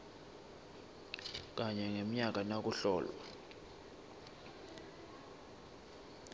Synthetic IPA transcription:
k̬ʼaɲɛŋem̩ɲak̬ʼanak̬ʼuɬɔːlwa̰

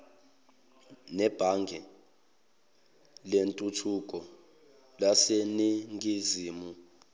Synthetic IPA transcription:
nɛb̥ʱaŋɡʱɛ | lentʼutʰukʼɔ | laseniŋɡʱiziːmu

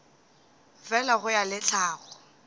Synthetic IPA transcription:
vɛlaɣʊjalɪt͡ɬʰaːɣɔ

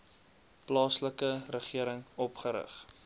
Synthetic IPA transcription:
plɑːsləkərəχiəɾəŋɔpχəɾə̰χ

